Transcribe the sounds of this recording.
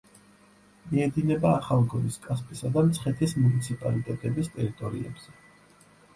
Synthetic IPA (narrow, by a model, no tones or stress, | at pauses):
miɛd̪inɛbaːχalˠɡɔniskʼaspʼisad̪amt̪sʰχɛt̪ʰismunit̪sʰipʼalit̪ʼɛt̪ʼɛbist̪ʼɛɾit̪ʼɔɾḭɛ̰bz̥ɛ